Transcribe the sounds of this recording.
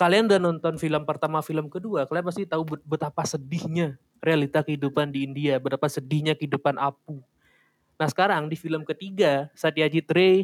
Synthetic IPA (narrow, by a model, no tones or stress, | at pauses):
kaliaŋdanɔnt̪ɔnfiləmpərt̪amafiləmkəduakaliaŋpas̬t̪iht̪aubbət̪apasədɪhɲa | realit̪akəɦidupandiːndiabət̪apasədɪhɲakəidupanʔap̚u | nahsə̥kaɾaŋdifiləmkət̪iɡasat̪jad͡ʒit̪̚ɾe